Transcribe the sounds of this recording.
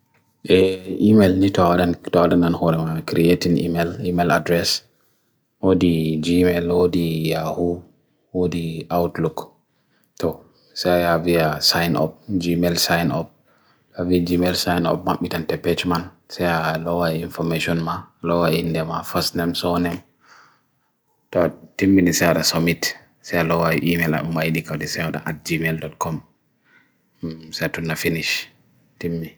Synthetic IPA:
ʔɛimelnitɔawaɗantɔwaɗananhɔɾɛmakɾietinḭmɛlimela̰dɾɛs | wodid͡ʒimɛlwodijahu | wodiʔawtluk | tɔ | sɛjaviasajnɔ̰p̚d͡ʒimɛlsajnɔ̰p̚ | aviad͡ʒimɛlsajnɔ̰p̚ma̰ɓːitantɛpɛt͡ʃman | sɛjalɔwaiinfɔmeʃɔnmalɔwaindɛmafasnɛmsɔnɛm | tɔtimːinisɛaɗasomit | sɛjalɔwaḭʔimɛla̰umajɗikawɗisɛwaɗa̰ʔat̚d͡ʒimeldɔt̚kʰɔm | sɛatunːafiniʃ | timːi

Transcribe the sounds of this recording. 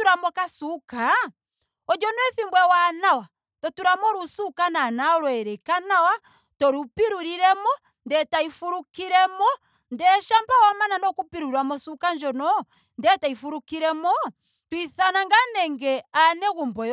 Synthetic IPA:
uɾamɔkasuka | ɔd͡ʒɔnwɛθimbwɛwanawa | tɔtuɾamɔɾusukananaɔlwɛɾɛkanawa | tɔɾupiɾuɾiɾɛmɔ | ndɛtaifuɾukiɾɛmɔ | ndɛʃambawɔmananɔkupiɾuɾwamɔsukaɲd͡ʒɔnɔ | ndɛtaifuɾukiɾɛmɔ | twiθanaŋɡanɛŋɡɛanɛɣumbɔj

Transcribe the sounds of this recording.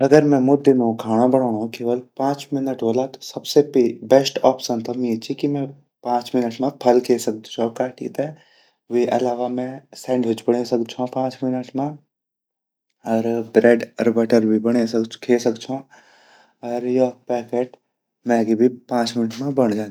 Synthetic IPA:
ɐɡəɾmɛ̃mʊd̪ɪnõkʰaːɽ̃ãbɐɽ̃aːõkeːʋəlpãːt͡ʃmɪnəʈʋolat̪o̥sɐbsepibɛsʈɔːpsənt̪ɐmjet͡ʃʰikimɛ̃ | pãːt͡ʃmɪnəʈmẽpʰɐlkʰeːsɐk̚d̪t͡ʃʰõkaːʈḭt̪ɛ | ʋiʔɐlaːʋamɛ̃sɛ̃ːɳɖɦʊt͡ʃbɐɽesɐkd̪t͡ʃʰõpãːt͡ʃmɪnəʈmẽ | ɔːɾbɾeːɖɔɾbɛʈəɾbʱibɐɽ̃ekʰeːsɐkt͡ʃʰõ | ɔːɾjɔpɛːkeːʈ | mɛ̃ɡibʱipãːt͡ʃmɪnəʈmẽbɐɳ̃d͡ʒãː

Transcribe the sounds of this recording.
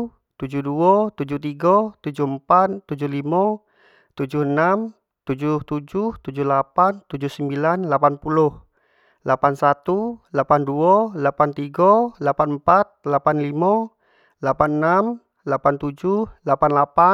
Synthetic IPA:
t̪ud͡ʒuhduɔt̪ud͡ʒuht̪iɡat̪ud͡ʒuhəmpat̪ːud͡ʒuhlima | t̪ud͡ʒuhənam | t̪ud͡ʒuht̪ud͡ʒuht̪ud͡ʒuhlapant̪ud͡ʒuhsəmbilanlapanpulʊh | lapansat̪ulapanduɔlapant̪iɡalapanəmpat̪̚lapanlima | lapanənam | lapant̪ud͡ʒuhlapanlapa

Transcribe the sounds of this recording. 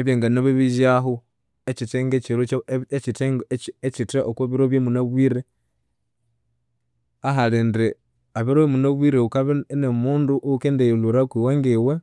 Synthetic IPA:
eβjeːŋɡanoβiβiʒaɦu | et͡ʃiteŋɡet͡ʃiɾoet͡ʃiteŋɡet͡ʃitaʔokoβiɾoβjemunaβwiɾe | aɦalendɾe | aβiɾoimunaβwiɾeukaβenemuːnduʔukendejluɾakwiwaŋɡiwe

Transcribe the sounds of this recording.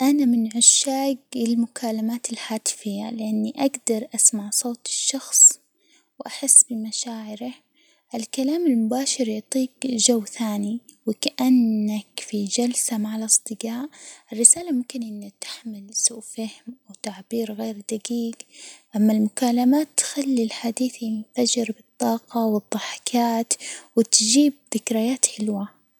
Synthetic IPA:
ʔanamɪnʕʊʃːaːɡɪlmʊkʰaːlamaːt̪ɪlħaːt̪ɪ̥fɪjːa̰lɪʔanːiʔaɡd̪ɑɾˤʔasmaʕsˤoːt̪ɪʃːɑxsˤ | wʔaħɪsːbɪmaʃaːʕɪɾa | ʔɪlkalaːmɪlmʊbaːʃɪɾjʊʕt̪ˤiːkd͡ʒawːθaːniwɪkaʔanːakfid͡ʒalsamaʕalɑsˤd̪ˤɨɡaːʔʔɪrːɪsaːlamʊmkɪnʔɪnːak̚t̪ḁħmɪlsuːʔfahmʔawt̪aʕbiːɾɣeːɾd̪aɡiːɡʔamːalmʊkaːlamaːt̪ːxalːilħad̪iːθjɪnfad͡ʒɪɾbɨt̪ˤːɑːqɑwɨd̪ˤːɑħɪ̥kʰaːt̪wɪt̪d͡ʒiːb̚ðɪkɾajaːt̪ħɪlwa

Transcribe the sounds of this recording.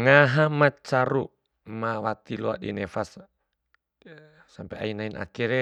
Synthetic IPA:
ŋaɦamat͡ʃaɾu | mawat̪ilua̰dḭnɛfas | sampɛa̰inainʔa̰kiɾɛ

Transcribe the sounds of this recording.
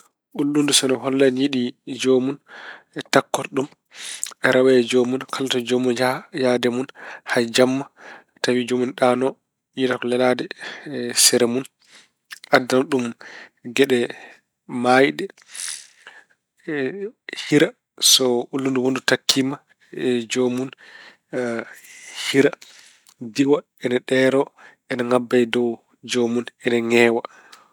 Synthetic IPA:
ʔulːundusɔnɔɦɔlːanjiɗid͡ʒomun | ɛtakːɔɾɗum | ɛɾʔawaɛd͡ʒomunkʰalatɔd͡ʒomunajadɛmunhad͡ʒamːa | tawid͡ʒomunɗanɔ | iakɔlɛladɛ | sɛɾɛmun | ʔadːaɗumɡɛɗɛ | majɗɛ | hiɾa | sɔʔulːunduwondutakʰːima | d͡ʒomun | hiɾa | diwa | ɛnaɗɛɾɔ | ɛnaŋabːajdɔw | d͡ʒomunɛnaŋɛːwa

